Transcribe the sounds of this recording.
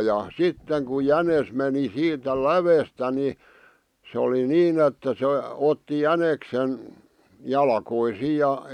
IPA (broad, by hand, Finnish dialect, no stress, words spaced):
jɑ sitːeŋ kuj jænes meni siːtæ læʋestæ ni se oli niːn etːæ se otːi jæneksen jɑlkoisiːj jɑ